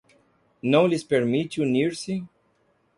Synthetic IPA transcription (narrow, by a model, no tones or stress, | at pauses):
nɐ̃w̃lispeɾmit͡ʃuniɾsi